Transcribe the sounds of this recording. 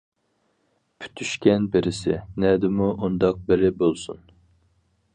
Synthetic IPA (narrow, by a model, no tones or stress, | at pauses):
pʰy̥t̪ʰːyʃkʲɛnbeɾɪsɪ̰nɛd̪ɪmuʔond̪ɑq̚beɾɪbolˠsun